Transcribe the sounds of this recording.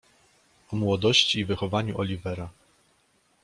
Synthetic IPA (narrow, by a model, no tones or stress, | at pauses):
ɔmwɔd̪ɔɕt͡ɕiːvɘxɔvaɲuʔɔlʲivɛɾa